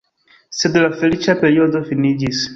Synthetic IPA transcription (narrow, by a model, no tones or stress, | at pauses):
sɛd̪ulafɛɾit͡ʃapɛɾiɔd̪ɔfinid͡ʒis